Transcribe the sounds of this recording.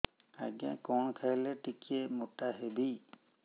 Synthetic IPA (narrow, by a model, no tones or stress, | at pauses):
a̰ɡã̰kɔnkʰalɛtikiɛmɔtaɦebi